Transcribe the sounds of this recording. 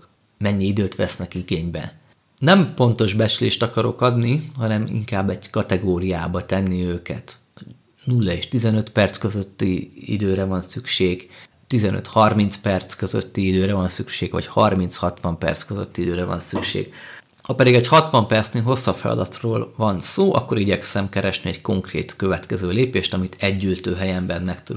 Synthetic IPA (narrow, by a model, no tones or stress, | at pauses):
mɛɲːiid̪øːt̪ʋɛsnɛkiɡeːɲbɛ̰ | nɛmpo̞nt̪o̞ʒbɛt͡ʃylḛːʃt̪ɒkɒɾo̞̰kɒd̪niɦɒnɛmḭŋkaːbːɛɟkɒt̪ɛɡoːɾijaːbɒt̪ɛnːiøːkɛt̪ | nulːɒeʃt̪izɛnø̞t̪pɛrt̪skøzøt̪ːiḭd̪øːɾɛvɒnsykʃeːɡ | t̪izɛnʔø̰t̪hɒrminspɛrt̪skøzø̰t̪ːiid̪øːɾɛvɒnsykʃeːɡʋɒ̰chɒrminshɒt̪ʋɒmpɛ̰rt̪skøzø̰t̪ːiid̪øːɾɛvɒ̰nsykʃḛːɡ̥ | hɒpɛd̪iɡɛchɒt̪ʋɒmpɛrt̪sneːŋɦo̞sːɒfɛ̰lɒ̰d̪ɒt̪roːlvɒnsoːʔɒ̰kːo̞ɾiɟɛksɛmkɛɾɛʃniɛɟko̞ŋkrḛːt̪kø̞vɛt̪kɛzøːleːpeːʃt̪ɒmit̪ʰɛɟːylt̪øːɦɛjɛmbɛnmɛkt̪u